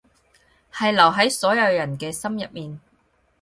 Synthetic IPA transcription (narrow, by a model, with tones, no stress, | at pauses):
hɐ˨jlɐ˨˩wɦɐ˨˥jsɔː˨˥jɐ˨˧wjɐ˨˩nkɛː˧sɐ˥mjɐ˨t̚miː˨n